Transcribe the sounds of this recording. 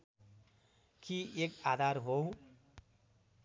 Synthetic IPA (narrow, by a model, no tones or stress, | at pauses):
kiekad̪ʱaɾɦow̃